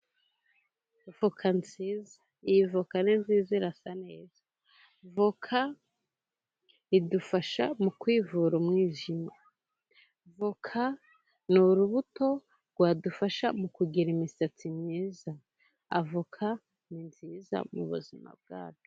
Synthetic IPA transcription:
v̥ukʰanziːza | ijivukaninziːziɾasane̞ːzḁ | vukʰa | idufaʃamukwiːvuɾumŋiːʒima | vukʰa | nuɾuβuto̞ | ɾɡwaːdufaʃamukuɡiɾimisat͡simɲiːza | a̰vukʰa | ninziːza̰muβṵzima̰b̚ɡa̰ːt͡ʃu̥

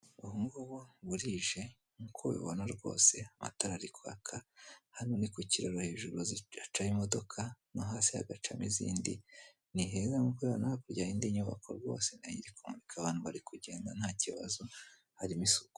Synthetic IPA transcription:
uhumɡuβoβuɾiʒe̞ | ŋkʰoβḭβo̰naɾɡo̞̰ːse̞ama̰taɾaɾikwa̰kʰahaɾimonikuciɾoɾoheːʒuɾoziat͡ʃajimodo̞kʰanoɦaːsiha̰ɡat͡ʃamizḭːndḭ | niɦe̞ːzamukweβonahakuɾɟaːiːndiɲuβa̰kʰo̰ɾɡo̞̰ːse̞naḭɲiɾekumuɾikʰaβaːnhuβaɾikuɟe̞ːndan̥haːciβa̰zo | haɾimisuko̥

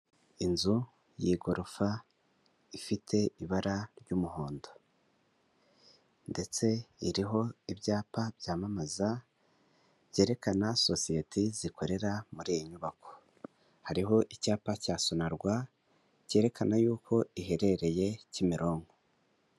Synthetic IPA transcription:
inzu | jiɡo̞ɾofa | ifitʰe̞iβaɾaɾɟuːmuho̞ːndo̞ | nde̞t͡se̞iɾiɦo̞ibɟaːpabjaːmamaza | je̞ːɾe̞kanaso̞sijetʰizikʰo̞ɾe̞ɾamuɾiːjiɲuβako̞̥ | haɾiɦo̞ʔicaːpacaːsonaɾɡwa | ce̞ːɾe̞kʰanajuːkʰo̞iɦe̞ɾe̞ɾe̞je̞cimiɾo̞ːŋɡo

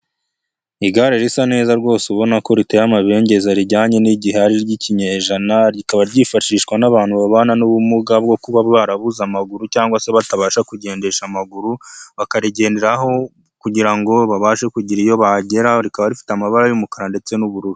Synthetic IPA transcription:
iɡaɾeɾisane̞ːzaɾɡwo̞ːseuβo̞nako̞ɾitejamaβe̞ːɲɟe̞zaɾiɾɟaːɲe̞niɟiɦehaɾiɾɟiciɲeʒanaɾikaβaɾɟifaʃiːʃkwanaβaːn̥huβaβaːnanuβumuɡab̚ɡo̞kuβaββaɾaβuzamaɡuɾucaːŋɡwase̞βataβaːʃakuɟe̞ːnde̞ʃamaɡuɾuβakaɾiɟe̞ːnde̞ɾaɦo̞ | kuɟiɾaŋɡo̞βaβaːʃe̞kuɟiɾijo̞βaɟe̞ɾaɾikaβaɾifi̥tamaβaɾajumukaɾande̞t͡se̞nuβuɾuɾi

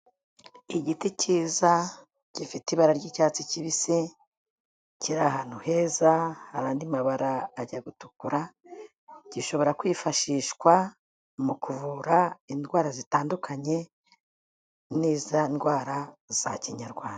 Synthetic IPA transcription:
iɟiticiːza | ɟ̥ifitiβaɾaɾɟicaːt͡siciβise̞ | ciɾaɦan̥uhe̞zahaɾaːndimaβaɾaːɟaɡutukuɾa | ɟ̥iʃo̞βo̞ɾakwiːfaʃiːʃkwa | mukuvuɾaindɡwaːɾazitaːndukʰaɲe̞ | niːzandɡwaːɾaz̥aciɲaɾɡwaːnda

